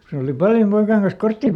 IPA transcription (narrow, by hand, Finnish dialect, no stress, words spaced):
ko se oli pɑljom poikɑˑĭŋ kɑns kortːiˑ